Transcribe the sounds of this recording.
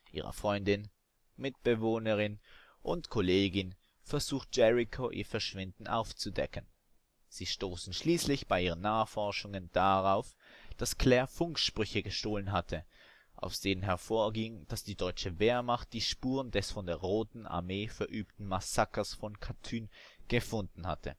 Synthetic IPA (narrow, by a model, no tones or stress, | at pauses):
ʔḭːʁə̰fʁ̥ɔʏndɪn | mɪt̚b̥əvoːnəʁɪn | ʔʊntkʰoleːɡɪn | fɛɐzuːxt̚d͡ʒ̥ɛʁikʰoʔḭːɐfɛɐʃv̥ɪndn̩ʔa̰ʊft͡sudɛ̰kən | z̥iːʃtoːsn̩ʃliːslɪçb̥aɪʔiːʁ̞ənːaːəχfɔɐʃʊŋənd̥aʁaʊfd̥askʰl̥ɛːɐfʊŋkʃpʁ̥ʏçəɡəʃtoːlənɦatʰə | ʔa̰ʊsd̥eːnənɦɛɐfoːɐɡɪŋd̥asd̥iːdɔʏt͡ʃəveːɐmaχt̚d̥iːʃpuːʁəndɛsfɔndeːɐʁoːtn̩a̰ɐmeːfɛɐʔyːp̚tn̩masakɐsfɔnkʰatʰyːnɡ̥əfʊndn̩ha̰tʰə̰